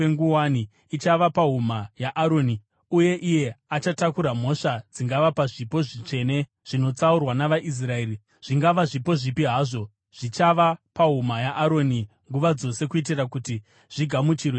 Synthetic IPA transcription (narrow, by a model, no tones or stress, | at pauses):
eŋɡuwani | it͡ʃaʋapaɦumajaʔːɾo̞ːni | uje̞ʔije̞at͡ʃatakuɾam̤o̞ʂad͡ziŋɡaʋapaʐipo̞ʐit͡ʂe̞ːne̞ | ʐ̥ino̞t͡saurwanaʋaʔis̬rae̞ːri | ʐ̥iŋɡaʋaʐipo̞ʐipiɦaːʐo̞ | ʐ̥it͡ʃaʋapaɦumajaʔːɾo̞ni | ŋɡuʋad͡zo̞se̞kuit̬irakuti | ʐ̥iɡʱamut͡ʃirwe